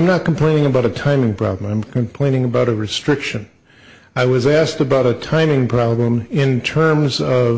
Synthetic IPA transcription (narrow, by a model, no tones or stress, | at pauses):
ɪ̃mnət̚kʰm̩pʰl̥ẽɪ̃ñɪ̃ŋɨbaʊɾɨtʰãɪ̃mɪ̃ŋpʰɹ̥ɑ̰blə̃mãɪ̃mkʰɨ̃mpʰl̥ẽɪ̃ñɪ̃ŋɨbaʊɾɨɹɨstɹ̥ɪkʃɨ̃n | aɪwʌzæsk̚tɨbaʊɾɨtʰãɪ̃mɪ̃ŋpʰɹ̥ɑblə̃mɪ̃ntʰɜ̃˞mzʌv